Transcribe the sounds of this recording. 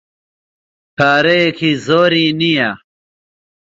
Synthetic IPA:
ʈʰaːɾeekʰizoːɾinija

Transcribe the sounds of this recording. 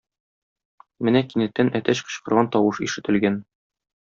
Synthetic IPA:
mɘnækinɘ̆t̪ːænʔæt̪æɕqɤ̆ɕqɤ̆ɾʁɑnt̪ɒwɤʃḭʃɘ̆t̪ɘ̆lɡæn

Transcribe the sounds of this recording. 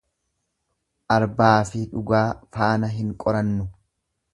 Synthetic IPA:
ʔɐɾbaːfɪᶑʊɡaːfaːnɐɦɪŋkʼɔɾɐnːʊ

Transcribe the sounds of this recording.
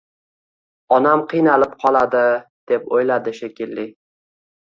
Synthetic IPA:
ɒnamqʰɨjnalɪp̚qʰɒlˠad̪ɪd̪̥epojlad̪ɪʃekʲʰɪlːɪ

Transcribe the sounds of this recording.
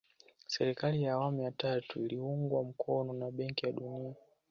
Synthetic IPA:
sɛɾikalijaːwamujatatuiliuŋɡwam̩kʰɔnɔnaɓɛŋkijaɗunia

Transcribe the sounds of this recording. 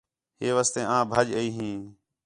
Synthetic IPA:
ɦeːʋaːst̪ẽːãːbʱəd͡ʒəiːɦĩː

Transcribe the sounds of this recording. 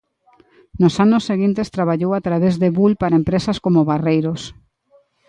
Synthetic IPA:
nosanʊsːeɣint̪est̪ɾaβaʎowat̪ɾaβezðeβulpaɾaempɾesaskomoβarejɾos

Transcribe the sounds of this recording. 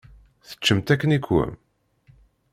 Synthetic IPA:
θə̥t͡ʃːəmt̪ækːənikwə̰m

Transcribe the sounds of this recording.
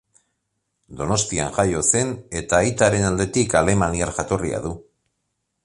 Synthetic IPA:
d̪o̞no̞st̪ia̰nʝajo̞se̞ne̞t̪aːjt̪aɾe̞nald̪e̞t̪ikale̞maniaɾʝat̪o̞ria̰ðu

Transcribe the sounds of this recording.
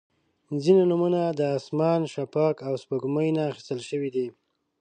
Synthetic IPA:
zinanumunad̪əːsmɑnʃapɑkawspəɡməjnaːxi̥st̪əlʃəwid̪i

